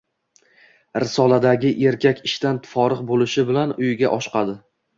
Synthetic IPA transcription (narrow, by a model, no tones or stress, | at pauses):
ɾɪsɒlˠad̪aɡʲɪʔe̞ɾkʲʰakʲɪʃt̪ant̪ʰfɒɾɨqbolɪʃɪbɪlanʊjɪɡʲaʔɒʃqɑd̪ɪ